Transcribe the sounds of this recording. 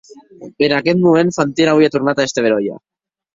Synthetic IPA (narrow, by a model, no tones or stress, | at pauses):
enakɛt̪mumenfant̪inawiat̪urnat̪aest̪eβeɾoja̰